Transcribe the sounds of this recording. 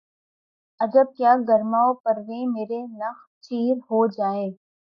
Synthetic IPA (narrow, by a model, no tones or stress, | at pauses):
ɐd͡ʒəb̚kjaːɡɐɾmaːopɐɾʋẽmeːɾenɐx̚ | t͡ʃiːɾɦod͡ʒaːeː